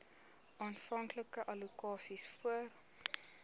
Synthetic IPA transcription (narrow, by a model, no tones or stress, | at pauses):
ɑːnfɐŋkləkəʔɐlukɑːsisfuər